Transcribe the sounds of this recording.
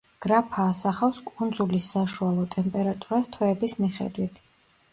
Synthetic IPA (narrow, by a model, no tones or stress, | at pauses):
ɡ̥ɾapʰaːsaχafskʼund̪zulisaʃualˠɔt̪ʼɛmpʼɛɾat̪ʼuɾast̪ʰwɛːbismiχɛ̰d̪wit̪ʰ